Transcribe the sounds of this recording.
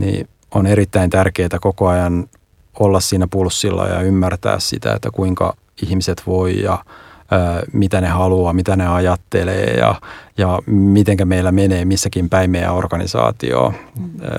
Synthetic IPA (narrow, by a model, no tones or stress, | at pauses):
nḭː | oneɾit̪ːæint̪ærkeːt̪ækokoɑjɑn | olːɑssiːnæpulsːilːɑ̰jɑ̰ymːært̪æ̰ːssḭt̪æ̰ḛt̪ːækuiŋkɑ̰ | ihmiset̪ʋoijɑøːmit̪ænehɑluɑːmit̪æneɑjɑt̪ːelḛːjɑ̰jɑmit̪eŋkæmeilːæmeneːmisːækimpæimeæ̰orkɑnḭsɑ̰ːt̪ḭo̰ː